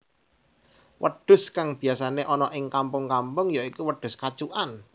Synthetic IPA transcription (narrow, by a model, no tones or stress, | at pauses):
wʔə̰ɖ̥ʊ̤skaŋb̥i̤asaneʔɔnɔʔɪŋkampʊŋkampʊŋjaikuwəɖ̥ʊ̤skat͡ʃuʔan